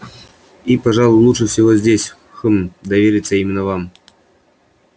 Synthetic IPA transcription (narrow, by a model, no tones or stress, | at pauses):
ipɐʐalˠʊjlˠuʂɨfsʲɪvozʲdʲesʲ | xɨmd̪ɐvʲeɾʲɪt̪səimʲɪnːəvam